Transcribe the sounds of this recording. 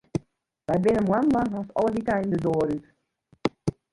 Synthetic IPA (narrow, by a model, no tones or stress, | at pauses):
ʋɛjbɪnənmwanlaŋɔsɔ̰lˠəʋitaɪndədoəɾyt